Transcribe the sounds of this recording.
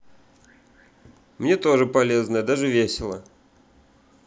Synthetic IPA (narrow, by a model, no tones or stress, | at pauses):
mnʲe̞t̪o̞ʐɨpɐlʲe̞znəjəd̪aʐɨvʲesʲɪlˠə̰